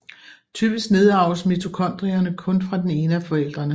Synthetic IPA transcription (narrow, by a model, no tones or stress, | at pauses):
t͡sʰy̰ːb̥isɡ̥ne̝ð̞ˠɑ̈ʊəsmit͡sʰo̝kʰɒ̽n̰d̥ʁiɐnəkʰɔ̽nfʁɑ̈d̥ene̝ːnəæfɒ̽el̰d̥ʁɐnə